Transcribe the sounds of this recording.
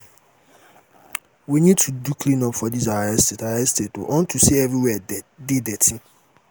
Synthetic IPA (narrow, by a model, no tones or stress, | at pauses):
winĩd̚tʰudukʰlĩnɔpfɔdizaɛstetaɛsteto̰ʔɔ̃ntʰuseɛvɹiwɛdɪdɛtʰĩ